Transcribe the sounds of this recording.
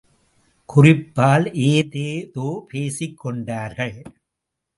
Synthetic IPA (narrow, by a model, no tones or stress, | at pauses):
kʊrɪpːaːlʔeːðeːt̪oːpʰeːsɪkːɔɳɖaːɾɣɐɭ